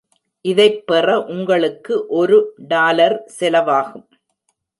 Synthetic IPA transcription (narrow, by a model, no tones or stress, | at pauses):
ʔɪðɐɪpːɛrɐʔʊŋɡɐɭɯkːɯʔɔɾɯɖaːlɐɾsɛlɐʋaːɣɯm